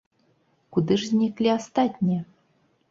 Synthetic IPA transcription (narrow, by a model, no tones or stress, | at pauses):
kud̪ɨʐzʲnʲiklʲiast̪ɑt̪ʲnʲijə